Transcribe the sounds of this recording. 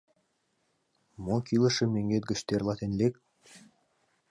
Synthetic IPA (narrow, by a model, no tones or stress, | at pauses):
mokilˠɤ̆ʃɤ̆meŋɡet̪̚ɡɘ̆ʃt̪erlˠɑt̪enlek̚